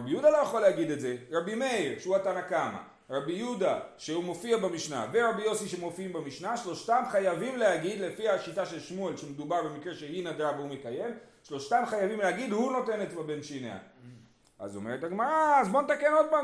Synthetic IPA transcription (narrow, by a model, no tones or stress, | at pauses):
abijud̪alo̞jaχo̞leaɡid̪e̞tze̞ʁabime̞iʁʃeuatanakama̰ | ʁabijud̪aʃeumo̞fiabamiʃna̰veʁabijo̞siʃemo̞fiimbamiʃnaʃlo̞ʃt̪amχajavimlehaɡid̪le̞fihaʃitaʃe̞lʃmue̞lʃemed̪ubaʁbe̞mikʁe̞ʃe̞hinad̪avehume̞kaje̞m | ʃlo̞ʃtamχajavimlehaɡid̪huno̞te̞net̪babe̞nʃinea̰ | a̰zome̞ʁethaɡmaʁaːzbo̞net̪ake̞no̞d̪̚pa